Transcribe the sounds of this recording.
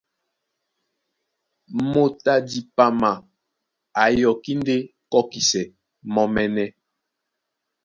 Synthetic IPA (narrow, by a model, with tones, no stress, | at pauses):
mo˦˨ta˦di˨pa˨ma˨ | a˨jɔ˨ki˦n˦de˦kɔ˦ki˨sɛ˨ | mɔ˨mɛ˨nɛ˦